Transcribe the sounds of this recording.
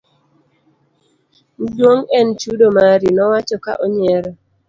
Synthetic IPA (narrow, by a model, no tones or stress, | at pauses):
ndwoŋɛnt͡ʃudomaɾinɔwat͡ʃɔka̰ʔɔɲɛɾɔ